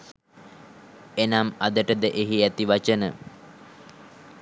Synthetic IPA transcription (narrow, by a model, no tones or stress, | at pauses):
enamad̪əʈəd̪əʔeɦiæt̪iʋat͡ʃənə̰